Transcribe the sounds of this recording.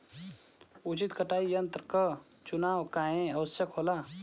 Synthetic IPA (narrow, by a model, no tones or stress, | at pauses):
ut͡ʃit̪kəʈaːijənt̪ɾkət͡ʃunaːwkaːẽɐʋəsjəkɦoːlaː